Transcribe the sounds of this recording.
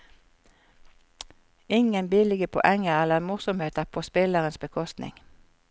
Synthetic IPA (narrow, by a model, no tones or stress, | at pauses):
ɪŋənbɪːlɪɡəpʰɔ̰ʔɛŋəʁɛləʁmʊsʊmheːt̪əʁpʰoːspɪləʁənsbəkʰɔst̪nɪ̰ŋ